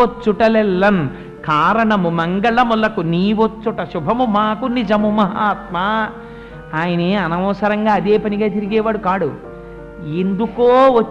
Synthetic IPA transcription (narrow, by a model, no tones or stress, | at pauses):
ot͡ʃːuʈɐlɛlːɐn | kaːɾɐɳɐmumɐŋɡɐɭɐmulɐkuniːʋot͡ʃːuʈɐʃubʱɐmumaːkunid͡ʒɐmumɐɦaːt̪̚maː | aːjɐneɐnɐʋɐʋɐsɐɾɐŋɡaːɐd̪eːpɐniɡaːt̪iɾiɡɛːʋaːɽukaːɽu | end̪ukoːʋɐ